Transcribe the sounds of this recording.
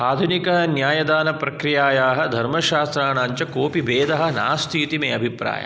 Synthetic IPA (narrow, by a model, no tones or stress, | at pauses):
aːd̪ʱunikɐɦɐnjaːjɐd̪aːnɐpɾɐkɾijaːjaːɦɐ̆d̪ʱɐɾmɐʃaːst̪ɾaːnaːɲt͡ʃɐkoːpibeːd̪ʱɐɦɐ̆na̰ːst̪ʰiːt̪imeːɐbʱipɾa̰ːjɐ̰